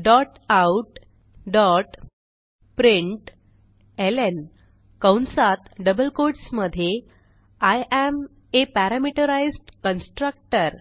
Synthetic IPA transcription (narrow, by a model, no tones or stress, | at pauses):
ɖɔʈ | awʈ | ɖɔʈ | pɾiɳʈ | elen | kəwnsat̪ɖəbəlkoɾʈsməd̪ʱje | ajʔæm | epæɾamiʈəɾajzʈkənsʈɾək̚ʈəɾ